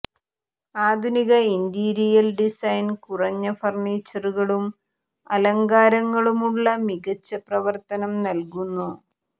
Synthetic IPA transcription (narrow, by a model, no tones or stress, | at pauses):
aːd̪ʱuniɣɐind̪iɾijɐlɖisɐjnkurɐɲːɐfɐrɳeːt͡ɕːɐruɣɐɭum | ɐlɐŋɡaːɾɐŋːɐɭumuɭːɐmiɣɐt͡ɕːɐprɐʋɐrt̪ɐnɐmnɐlkunːu